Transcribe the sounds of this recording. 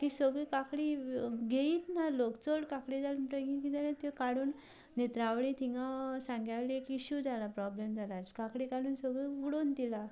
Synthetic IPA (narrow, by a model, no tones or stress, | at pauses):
kisəɡɭikakɽiɡʱeiːt̪nalokt͡soɽkakɽid͡zalmʈəɡikit̪alẽt̪ekaɽuːn | net̪ɾaʋɭit̪iŋɡasãŋɡjaʋliekiɕud͡zʱalapɾɔblemd͡zʱalad͡ʑkakɽikaɽuːnsəɡɭiuɽont̪ila